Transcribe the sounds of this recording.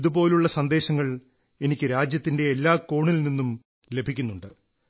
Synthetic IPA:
iðubo̞ːluɭːɐsɐnd̪e̞ːɕɐŋːɐɭ | e̞nikʲːɨɾaːd͡ʑjɐt̪ːinde̞ːlːaːko̞ːɳilninːum | le̞bʱikʲːunːuɳɖɨ

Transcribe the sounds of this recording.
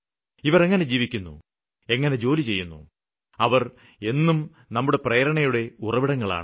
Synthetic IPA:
iʋɐɾe̞ŋːɐne̞d͡ʑiːʋikʲːunːṵ | e̞ŋːɐne̞d͡ʑo̞ːlit͡ɕe̞jːunːṵ | ɐʋɐr | e̞nːum | nɐmːuɽe̞prɐjɐɾɐɳɐjuɽe̞urɐʋiɽɐŋːɐɭa̰ːɳ

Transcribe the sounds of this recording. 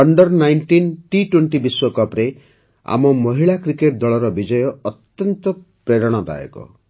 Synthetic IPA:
ʌɳɖɔɾnajnʈinʈiʈweɳʈibiswɔkapɾe | a̰mɔmɔɦiɭakɾikeʈ̚d̪ɔɭɔɾɔbid͡ʒɔjɔɔt̪jɔnt̪ɔpɾeɾɔɽ̃ɔd̪a̰jɔ̰kɔ̰

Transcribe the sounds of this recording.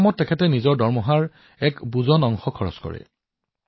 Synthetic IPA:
mɔtːɛkʰɛtɛnizɔɹdɔɹmɔɦaɹ | ɛkbuzɔnɔŋxɔkʰɔɹɔ̰skɔ̰ɹɛ̰

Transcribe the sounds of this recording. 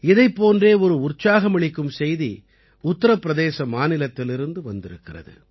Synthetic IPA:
ɪðɐɪpːoːndreːɔɾɯʊrt͡ʃaːɣɐmɐɭɪkːɯmsɛjði | ʊt̪ːɐɾɐpːɪɾɐðeːsɐmaːnɪlɐt̪ːɪlɪɾɯnd̪ɯʋɐnd̪ɪɾɯkːɪrɐ̰ðɯ̰

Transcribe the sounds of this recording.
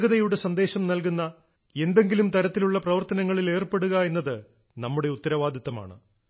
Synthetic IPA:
ɣɐðɐjuɽe̞sɐnd̪e̞ːɕɐmnɐlk̬unːɐ | e̞nd̪e̞ŋɡilumt̪ɐɾɐt̪ːiluɭːɐprɐʋɐrt̪ɐnɐŋːɐɭile̞ːrpe̞ɽuɣɐe̞nːɐðɨ | nɐmːuɽe̞ut̪ːɐɾɐʋaːd̪ʱɐt̪ːɐma̰ːɳɨ̰

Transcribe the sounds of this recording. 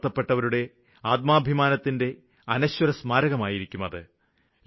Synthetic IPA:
t̪ːɐpːe̞ʈːɐʋɐɾuɽe̞ | aːt̪̚maːbʱimaːnɐt̪ːinde̞ | ɐnɐɕwɐɾɐsmaːɾɐɣɐmaːjiɾikʲːumɐðɨ

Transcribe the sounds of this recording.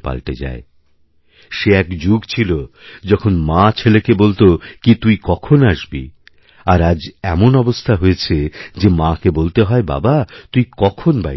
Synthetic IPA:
pa̰lt̪ed͡ʑa̰e | ʃeɛkd͡ʑuɡt͡ɕʰilod͡ʑɔkʰonmãt͡ɕʰelekebolt̪okit̪ujkɔkʰonaʃbḭ | aɾad͡ʑɛmonɔbost̪ʰaɦojet͡ɕʰed͡ʑemãkebolt̪eɦɔeba̰bat̪ujkɔkʰonba̰

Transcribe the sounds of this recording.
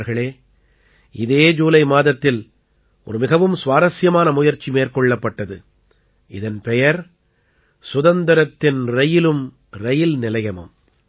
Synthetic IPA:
ɾɣɐɭeː | ʔɪðeːd͡ʒuːlɐɪmaːðɐt̪ːɪl | ʔɔɾɯmɪɣɐʋɯmsʋaːɾɐsjɐmaːnɐmʊjɐɾt͡ʃːimeːɾkɔɭːɐpːɐʈːɐðɯ | ʔɪðɐnpɛjɐɾ | sʊðɐnd̪ɐɾɐt̪ːɪnɾɐjɪlɯm | ɾɐjɪlnɪlɐjɐmɯ̰m

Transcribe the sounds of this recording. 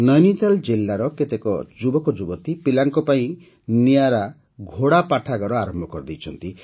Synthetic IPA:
nɔjnit̪ald͡ʒelːaɾɔket̪ekɔ̰d͡ʒubɔkɔd͡ʒubɔt̪ipilaŋkɔpaĩ | nijaɾa | ɡʱoɽapaʈʰaɡɔɾɔaɾɔmbʱɔkɔɾɔd̪ejt͡ʃʰɔnt̪i

